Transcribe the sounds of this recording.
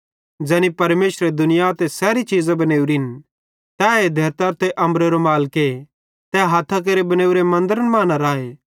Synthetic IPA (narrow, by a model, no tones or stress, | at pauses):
d͡ʒɛːnipɐɾmeːsɾed̪ʊnɪjat̪ɛsɛːɾit͡ʃiːzabɐneːuɾiɪn | t̪aed̪ʱeːɾt̪aɾt̪eʔɐ̃mbɾeɾomaːlke | t̪ɛɦaːt̪ʰak̬eɾebɐneːuɾemɐ̃nd̪əɾənmãːnaɾaːe